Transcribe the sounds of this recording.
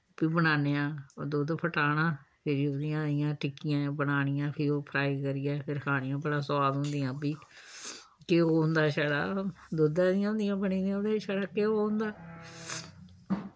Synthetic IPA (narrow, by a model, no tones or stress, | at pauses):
piːbənaːneːãːod̪oːd̪pʰəʈaːnãːpʰɪɾiːoːd̪ɪjãːd̪ɪjãːʈɪkɪjãːbənaːnɪjãːpʰɪɾioːpʰɾaːikəɾɪːɛːpʰɪɾkʰaːɽ̃ɪjãːbəɽãːsəaːd̪ɦõnd̪ɪjãːpiː | keːoːnd̪aːʃaɽa̰ː | d̪oːd̪ãːd̪ɪjãːʊ̃nd̪ɪjãːbəniːd̪ijãoːd̪eːʃaɽaːkeːoːnd̪aː